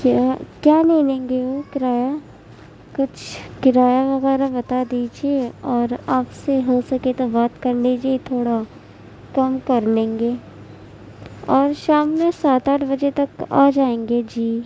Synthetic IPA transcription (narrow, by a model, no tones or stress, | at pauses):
kjaːkjaːleːlẽːŋɡeʋokɪɾaːja | kʊt͡ʃʰkɪɾaːjaʋɐɣɛːɾabɐt̪ad̪iːd͡ʒeɔːɾaːpseɦosɐket̪obaːt̪kɐɾleːd͡ʒet̪ʰoːɽa | kɐmkɐɾlẽːŋɡeː | ɔːɾʃaːmːẽsaːt̪aːʈʰbɐd͡ʒet̪ɐka̰ːd͡ʒaːẽːŋɡed͡ʒiː